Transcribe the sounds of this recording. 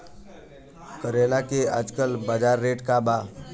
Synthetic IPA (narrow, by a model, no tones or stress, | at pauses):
kəɾeːlakea̰d͡ʒkəlbad͡ʒaːɾːeːʈkabaː